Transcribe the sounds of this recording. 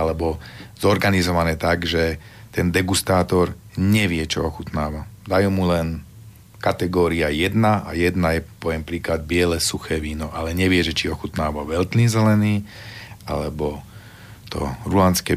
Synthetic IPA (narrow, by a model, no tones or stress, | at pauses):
alɛbɔzɔɾɡanizɔʋanɛːt̪aɡʒɛ | t̪ɛnd̪ɛɡust̪aːt̪ɔɾ | ɲɛʋɪɛt͡ʃɔ̰ɔxut̪naːʋa | d̪ajuːmulɛn | kat̪ɛɡɔːɾiajɛd̪naajɛd̪najɛpɔʋɛmpɾiːklad̪̚bɪɛlɛsuxɛːʋiːnɔʔalɛɲɛʋɪɛʒɛt͡ʃiɔxut̪naːʋaʋɛlt̪niːzɛlɛniː | a̰lɛbɔ | t̪ɔ̰ɾulanskɛː